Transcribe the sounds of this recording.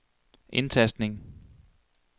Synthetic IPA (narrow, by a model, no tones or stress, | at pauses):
ʔe̝nt͡sʰæsd̥ne̝ŋ